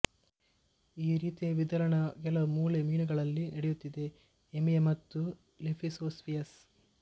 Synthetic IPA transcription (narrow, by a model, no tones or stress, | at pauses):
iːɾiːt̪eʋid̪ɐɾɐɳɐkɛlɐmuːlemiːnuɡɐɭɐlːinɐɽejut̪ːid̪e̞ː | mijemɐt̪ːu | lepʰisoːsʋijɐs